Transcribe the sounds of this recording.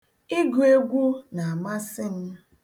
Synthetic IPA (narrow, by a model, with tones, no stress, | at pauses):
i˦ɡʊ˨e˦ɡʷu˦na˨a˨ma˦sɪ˦n̩˦